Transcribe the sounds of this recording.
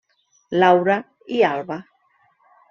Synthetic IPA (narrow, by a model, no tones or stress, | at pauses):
lawɾa | ialβa